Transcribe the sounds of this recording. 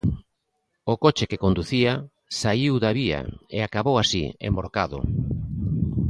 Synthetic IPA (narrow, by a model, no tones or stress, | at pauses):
ʊkot͡ʃekekond̪uθia | saiwðaβia̰ḛakaβowasḭḛmboɾkaðʊ̰